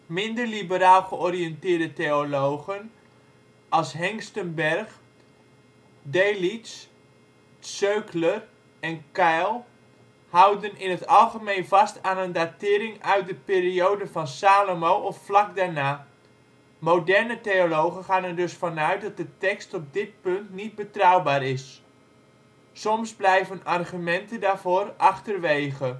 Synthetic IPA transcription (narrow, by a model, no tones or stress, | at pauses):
mɪndəɹlibəɾaːlˠχəɔriɛntɪːɹdətejolowχən | ʔɑlˠsɦɛŋstənbɛrχ | dejlits | søɥklər | ɛnkɛjlˠ | hʌwdənɪnɦətɑlˠχəmejnvɑstaːnəndatɪːɾɪŋœɥt̚dəpɪːɾiowdəvɑnsaːlomowʔɔfflɑk̚daːɹnaː | mowdɛɹnətejolowχəχaːnɛɹdɵsfɑnœɥt̚dɑt̚dətɛkstɔb̚dɪt̚pɵntnid̚bətrʌwbaːrɪs | sɔmzblɛjvənɑrχymɛntəndaːɹvoːrʔɑχtərʋejχə